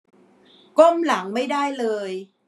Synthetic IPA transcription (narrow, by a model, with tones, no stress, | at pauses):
ko˥˩mla˩˦ŋma˥˩jdaː˥˩jlɤː˧j